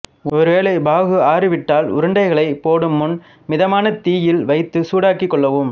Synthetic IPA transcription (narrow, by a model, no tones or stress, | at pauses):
ɔɾɯʋeːlɐɪbaːɣɯaːrɯʋɪʈːaːlʊ̰ɾɯɳɖɐɪɣɐɭɐɪpoːɽɯmːʊn | mɪðɐmaːnɐt̪iːjɪlʋɐɪt̪ːɯsuːɽaːkɪkːɔɭːɐʋɯm